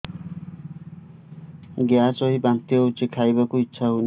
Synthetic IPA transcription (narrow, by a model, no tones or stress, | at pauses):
ɡjasɔɦibant̪ijɔut͡ʃikʰajbakuitːʃʰaɦun